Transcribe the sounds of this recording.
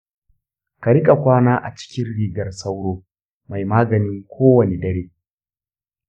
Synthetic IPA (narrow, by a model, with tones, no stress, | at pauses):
ka˨ɾɪ˦kʼa˨kʷaː˦naː˦ʔa̰˨t͡ʃɪ̥˦kʲɪ˦nɽiː˦ɡɐ˨rsa˦wɽoː˦ | ma˨jmaː˦ɡɐ˨nɪ˦ŋkʷʰoː˦wɐ˨ne˨dɐ˦ɽeː˦